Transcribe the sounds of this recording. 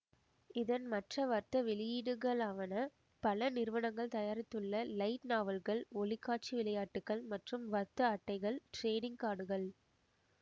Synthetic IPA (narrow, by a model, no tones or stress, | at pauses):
ɪðɐnmɐʈrɐʋɐɾt̪ːɐʋɪlɪjiːɽɯɣɐɭaːʋɐnɐ | pɐlɐnɪɾɯʋɐnɐŋɡɐɭt̪ɐjaːɾɪt̪ːɯɭːɐlɐɪʈnaːʋɐlɣɐɭɔɭɪkːaːʈ̚t͡ʃiʋɪlɐjaːʈːɯkːɐɭmɐʈrɯmʋɐt̪ːɐɐʈːɐɪɣɐɭʈɾeːnɪŋɡ̚kaːɽɯɣɐɭ